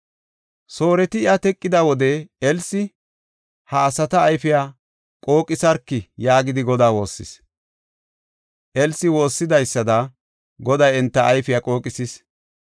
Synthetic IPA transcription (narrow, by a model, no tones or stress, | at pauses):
so̞ːɾɛt̪ɪɪɐt̪ɛkʼːɪd̪ɐwɔd̪ɛɛlsɪ | hɐːsɐt̪ɐːjfɪjaː | kʼo̞ːkʼɪsɐɾkːɪjaːɡɪd̪ɪɡɔd̪aːwo̞ːsːɪ̰s | ʔɛlsɪwo̞ːsːɪd̪ɐjsːɐd̪ɐ | ɡɔd̪ɐjɛnt̪ːɐːjfɪjakʼo̞ːkʼɪsɪs